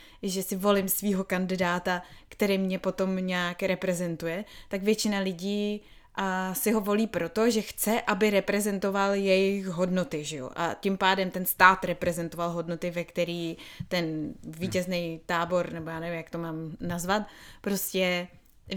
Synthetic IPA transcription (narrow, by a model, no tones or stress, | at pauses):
ʒɛsɪvo̞lɪmsviːɦo̞kandɪdaːt̪akt̪ɛɾimɲɛpo̞t̪o̞mɲaːkɾɛpɾɛzɛnt̪ujɛt̪aɡvjɛt͡ʃɪnalɪɟiː | sɪɦo̞vo̞liːpɾo̞t̪o̞ʒɛxt͡sɛʔabɪɾɛpɾɛzɛnt̪o̞valjɛjɪxɦo̞dno̞t̪ɪʒɪjo̰ʔa̰cɪmpaːdɛmt̪ɛnst̪aːt̪ɾɛpɾɛzɛnt̪o̞valɦo̞dno̞t̪ɪvɛkt̪ɛɾiːt̪ɛnviːcɛznɛjt̪aːbo̞ɾnɛbojaːnɛvɪmjakt̪o̞maːmnazvat̪pɾo̞scɛ